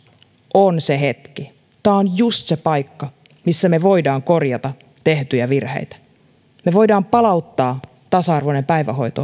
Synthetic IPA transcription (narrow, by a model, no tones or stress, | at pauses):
ʔonseɦe̞t̪ki | t̪æːonjust̪sepɑjkːɑ | misːæmeʋoidɑːŋkorjɑt̪ɑ | t̪eht̪yjæʋirhḛjt̪æ̥ | meʋo̞jdɑːmpɑlɑwt̪ːɑː | t̪ɑsɑɑrʋonempæjʋæɦo̞jt̪o